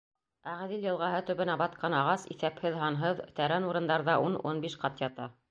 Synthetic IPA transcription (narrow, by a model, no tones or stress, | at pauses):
æʁ̆ðiljɤ̆lˠʁɑɦɤt̪ɵ̆βɘ̆næbɑt̪̚qɑnɑʁɑsḭθæphɘðɦɑnɦɤðt̪æɾænuɾɤ̆nd̪ɑɾðɑʔununbiʃqɑt̪jɑt̪ɑ